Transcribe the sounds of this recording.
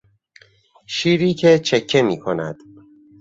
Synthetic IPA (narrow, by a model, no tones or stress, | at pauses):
ʃiːɾiːcʰet͡ʃʰecʰːe̞miːkʰonæ̰d̪̥